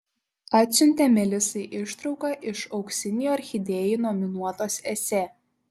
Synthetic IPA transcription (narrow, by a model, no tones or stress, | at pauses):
ɑːt̪ʲsʲʊnʲt̪ʲɛmʲɛlʲɪsɐɪʔɪʃt̪ɾɒʊkɐʔɪʃɒʊksʲɪnʲɪjuɐɾʲxʲɪd̪ʲeːjinɔmʲɪnuɔt̪oːsɛsʲɛː